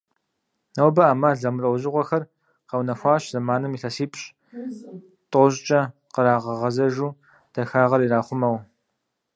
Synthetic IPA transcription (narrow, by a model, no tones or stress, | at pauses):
nɐwbɐaːmɐɮɐmrɐwʑɪʁʷɔxɐr | qɐwnɐxʷɑːɕzɐmaːnɨmiɬɐsiːpʼɕʼ | tʼʊʑt͡ʃʼɐqəɾaːʁɐʁɐzɐʒuː | d̥ɐxaːʁɐɾiɾaːχʷʊmɐw